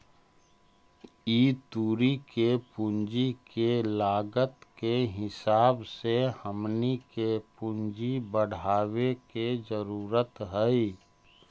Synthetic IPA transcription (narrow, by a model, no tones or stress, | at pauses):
iːt̪uːɾikepʊ̃nd͡ʒikelaːɡət̪keɦɪsaːbsehəmnikepʊ̃nd͡ʒibəɽ̤aːweked͡ʒəɾuːɾət̪ɦəi